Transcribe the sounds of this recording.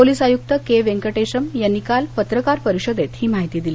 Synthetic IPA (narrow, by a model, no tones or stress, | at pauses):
poliːsajuk̚t̪əkeʋeŋkəʈeɕəmjanːikalpət̪ɾəkaɾpəɾiɕod̪et̪hiːmaɦit̪iːd̪ili